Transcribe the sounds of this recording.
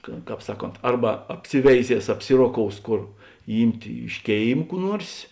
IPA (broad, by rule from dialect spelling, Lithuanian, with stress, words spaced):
kɐ ˈkɑːp ˈsɑːˌkoːnt ˈɐrbɐ ɐpʲˈsʲɪʋʲɛɪˌzʲiɛs ɐpʲˈsʲɪroːˌkoːʊs ˈkoːr ˈiːmʲtʲeː ɪʃ ˈkʲeːɪm ˈkuː ˈnuɔrs